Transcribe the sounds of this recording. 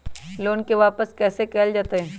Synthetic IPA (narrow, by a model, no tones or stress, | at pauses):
loːnkeʋaːpəskɛːsekɛːld͡ʒaːt̪eɦɛ̃ː